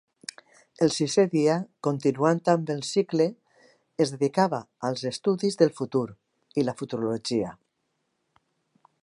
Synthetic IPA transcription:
elsiseðiakont̪inuant̪ambelsikleː | zðeðikaβaːlˠzest̪uðizðelfut̪uɾ | ilafut̪uɾuloʒia

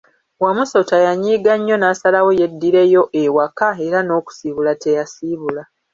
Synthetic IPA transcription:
wamuso̞tajaɲiːɡaɲːo̞naːsalawo̞je̞dːiɾe̞jo̞ʔewakae̞ɾano̞ːku̥siβulate̞jasiβula

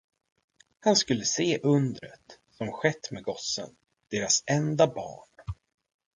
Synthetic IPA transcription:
hanskɵlːəseːʔɵnd̪ɾə̰t̪ | sɔmɧɛt̪ːmeɡɔsə̰n | d̪̥eːɾasɛnd̪abɑ̰ːɳ

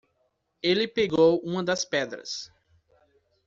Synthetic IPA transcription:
elɪpeɡowũmɐd̪ɐspɛd̪ɾɐ̰s

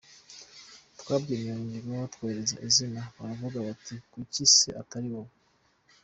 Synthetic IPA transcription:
twaːbɡiːmioɲɟiɾwehotkweːɾeza̰ʔizinaβaɾavuɡaβatʰikucisḛʔataɾiwo

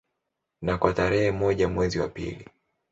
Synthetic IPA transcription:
nakwataɾɛhɛmɔʄamwɛziwa̰pḭli

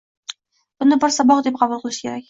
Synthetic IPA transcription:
b̥ʊnd̪ɪbɒɾsɑbɒqd̪ep̚qʰɑbulˠqʰɨlˠɪʃkʲʰe̞ɾak̚ʲ

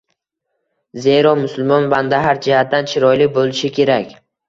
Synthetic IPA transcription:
ze̞ɾɒmʊsʊlˠmɒnvand̪aɦaɾd͡ʒɪhat̪̚d̪ant͡ʃʰɪɾɒjlɪk̚ʲbolɪʃɪkʲʰe̞ɾakʲ

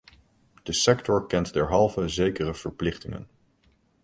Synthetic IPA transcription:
d̥əsɛktɔɹkɛntdɛɹɦɑlˠvəzejkərəv̥əɹplɪχtɪŋə̰n

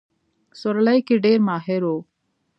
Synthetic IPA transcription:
soɾlɐjkiɖeːɾmaːɦeɾoː

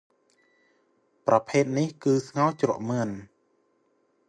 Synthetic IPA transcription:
prɑpʰeːt̪̚nihkɨːsŋawt͡ɕrŏəʔmɨən

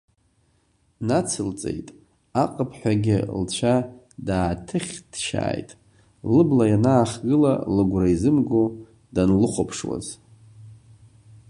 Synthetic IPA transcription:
nat͡sʰɨlt͡sʼe̞̰jtʼ | aqʼəpʰħʷᶣaɡʲɪ̰lt͡ɕʷʰa | daːtʰɨχʲd̥ʃa̰ːjtʼ | lɨblajanaːχɡɨla̰lɨɡʷraizɨmɡo | danlɨχʷopʰʂwa̰z

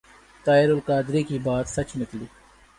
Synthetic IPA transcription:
t̪aːɪɾʊlkaːd̪ɾiːkiːbaːt̪sɐt͡ʃnɪkliː

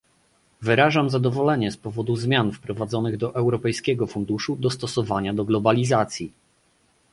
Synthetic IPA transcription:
vɘɾaʐamzad̪ɔvɔlɛɲɛspɔvɔd̪uzmʲjanfpɾɔvad̪zɔnɘɣd̪ɔʔɛwɾɔpɛjskʲɛɡɔfund̪uʂud̪ɔst̪ɔsɔvaɲad̪ɔɡlɔbalʲizat̪sʲji

